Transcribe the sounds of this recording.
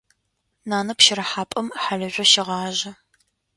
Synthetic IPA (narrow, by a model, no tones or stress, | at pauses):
naːnɐpʃɪɾɐħaːpʼɐmħaɮɐʒʷɔʃɪʁɑːʒɐ